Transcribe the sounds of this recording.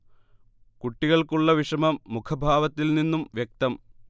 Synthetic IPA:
kuʈːiɣɐɭkuɭːɐʋiʂɐmɐmːukʰɐbʱaːʋɐt̪ːilninːumʋjek̚t̪ɐm

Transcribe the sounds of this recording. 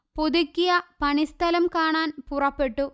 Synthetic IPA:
poðukʲːijɐpɐɳist̪ʰɐlɐmkaːɳaːnpurɐpːe̞ʈːu

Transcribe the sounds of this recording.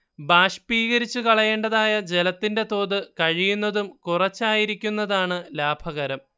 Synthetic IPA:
baːʂpiːɣɐɾit͡ɕːukɐɭɐje̞ːɳɖɐðaːjɐd͡ʑe̞lɐt̪ːinde̞t̪o̞ːðɨkɐɻijunːɐðumkurɐt͡ɕːaːjiɾikʲːunːɐðaːɳɨlaːbʱɐɣɐɾɐm

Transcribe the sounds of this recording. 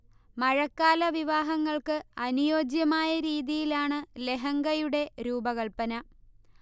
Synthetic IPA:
mɐɻɐkːaːlɐʋiʋaːɦɐŋːɐɭkɨɐnujo̞ːd͡ʑjɐmaːjɐɾiːðijilaːɳɨle̞ɦɐŋɡɐjuɽe̞ɾuːbɐɣɐɭpɐnɐ

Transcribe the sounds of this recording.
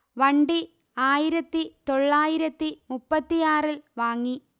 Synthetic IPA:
ʋɐɳɖi | aːjiɾɐt̪ːit̪o̞ɭːaːjiɾɐt̪ːimupːɐt̪ːijaːrilʋaːŋːi

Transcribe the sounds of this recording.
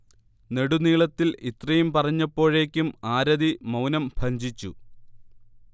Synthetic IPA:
ne̞ɽuniːɭɐt̪ːilit̪rɐjumpɐrɐɲːɐpːo̞ːɻe̞ːkʲːumaːɾɐðimɐwnɐmbʱɐɲd͡ʑit͡ɕːṵ

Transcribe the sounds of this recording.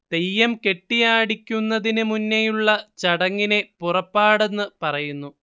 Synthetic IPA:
d̪̥e̞jːɐmke̞ʈːijaːɽikʲːunːɐðinɨmunːejuɭːɐt͡ɕɐɽɐŋːine̞purɐpːaːɽe̞nːɨpɐrɐjunːu

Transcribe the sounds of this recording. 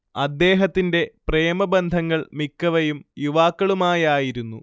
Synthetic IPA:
ɐd̪ːe̞ːɦɐt̪ːinde̞preːmɐbend̪ʱɐŋːɐɭmikːɐʋɐjumjuʋaːkːɐɭumaːjaːjiɾunːu

